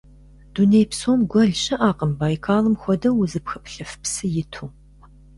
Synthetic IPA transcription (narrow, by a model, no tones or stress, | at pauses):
d̥unejpsoːmɡʷɔɮɕʼɪʔaːqəmbaːjkʰaːlɨmxʷɔdɐwʊzɨpxɐpɬɨfpsɨjɪtʰuː